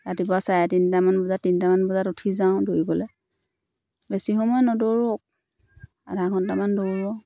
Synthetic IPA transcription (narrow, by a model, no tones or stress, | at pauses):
atibɔasajatinitamanbɔzatːinitamanbɔzatutʰizaʊ̃dojibɔlɛ | besixɔmɔjɔnɔdoɹok̚ | a̰dʱakʰɔntamandoɹɔ